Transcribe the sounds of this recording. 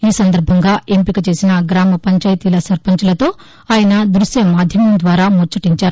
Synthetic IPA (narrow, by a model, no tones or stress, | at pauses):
iːsɐnd̪ɐɾbʱɐŋɡaːempikɐt͡ʃe̞ːsinɐɡɾaːmɐpɐɲt͡ʃaːjt̪iːlɐsɐɾpɐɲt͡ʃɐlɐt̪o̞ː | aːjɐnɐd̪ɾusjɐmaːd̪ʱjɐmɐmd̪ʋaːɾaːmoɾt͡ʃuʈiɲt͡ʃaːɾu